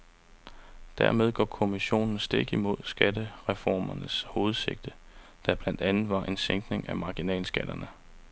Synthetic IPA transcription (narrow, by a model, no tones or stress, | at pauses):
d̥æɐmeð̞ˠɡ̥ɒ̰ːkʰo̝miɕo̝̰ːnn̩sd̥e̝ɡ̥əimo̝ð̞̰ˠsɡ̥ædəʁɛfɒ̰ːmɐnəsho̝ːð̞̩ˠse̝ɡ̥̚d̥ə | d̥æb̥læn̰d̥ænð̩ˠʋɑ̈ʔe̝nseŋɡ̥ne̝ŋʔæmɑ̈ɡ̥inɛ̰ːlsɡ̥æd̥ɐnə